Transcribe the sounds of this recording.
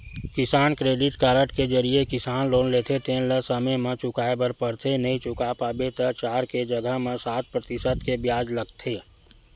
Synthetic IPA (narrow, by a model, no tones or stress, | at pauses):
kɪsaːnkɾeːɖɪʈkaːɾəʈked͡ʒəɾiekɪsaːnloːnleːt̪ʰet̪ʰeːnləsəmemẽt͡ʃʊkaːebəɾpəɽt̪ʰenəɦĩt͡ʃʊkapaːbet̪ət͡ʃaːɾked͡ʒəɡəɦmẽsaːt̪̚pɾət̪ɪsət̪kebjaːd͡ʒləɡt̪ʰeː